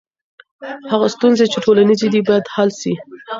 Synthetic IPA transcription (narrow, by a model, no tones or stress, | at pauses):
haɣast̪unzet͡ʃeʈʰolanized̪ibɑjad̪halʃi